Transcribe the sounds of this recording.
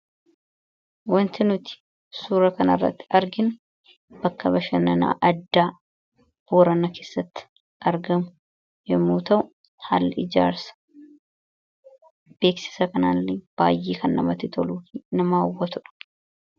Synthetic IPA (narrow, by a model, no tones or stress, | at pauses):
wɐnt̪ɪnʊt̪ɪ̥ | suːɾɐkɐnɐrːɐ̰t̪ːɪ̥ɐɾɡɪnʊ | b̥ɐkːɐbɐʃɐnɐna̰ːʔɐd̪ːaː | bɔɾɐnɐkeːsːɐt̪ːɪ̥ | ʔɐɾɡɐmʊ | jɛmːuːt̪ɐʔʊ | haːlːɪɪd͡ʒa̰ːɾsɐ̥ | b̥e̞ːksɪ̥sɐkɐnaːlːɪb̥a̰ːjʔeːkɐnːɐ̰mɐt̪ɪt̪ʰɔluːfiːnɐmaːwːɐt̪ʊᶑɐ̥